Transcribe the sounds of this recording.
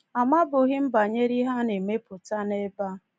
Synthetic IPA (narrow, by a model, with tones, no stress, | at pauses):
a˨ma˦bʊ˨ɣɪ˦m̩˦ba˨ɲe˦ɾi˦ɦa˦ne˨me˦pʊ˨ta˦ne˦ba˦